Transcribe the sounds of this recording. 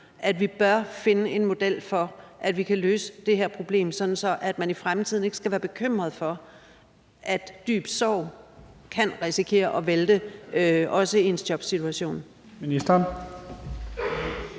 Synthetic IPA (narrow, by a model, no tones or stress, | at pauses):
ʔæd̥ʋib̥ɶɐfe̝nəe̝nmo̝d̥el̰fɒ̽ʔæd̥ʋikʰæløːsə̥d̥e̝ɦeɐpʰʁo̝b̥le̝̰ːmsɒ̽d̥n̩sɒ̽ʔæd̥mænifʁamt͡sʰið̞̰ˠne̝ɡ̥ə̥sɡ̥æʋæːɐb̥e̝kʰøm̰ʁɐð̞ˠfɒ̽ | ʔæd̥d̥y̰ːb̥sɒʊ̰ | kʰænʁɛsikʰe̝̰ːɐʔɒ̽ʋeld̥e | ɒ̽səieensd̥jɒ̽b̥sit͡sʰuæɕo̝̰ːn | minisd̥ɐn